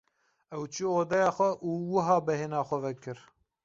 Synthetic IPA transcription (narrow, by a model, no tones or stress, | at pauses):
ɛwt͡ʃʰioːd̪ɛjɑːxʷɛʔuːwɨɦɑːbɛɦeːnɑːxʷɛvɛkɨɾ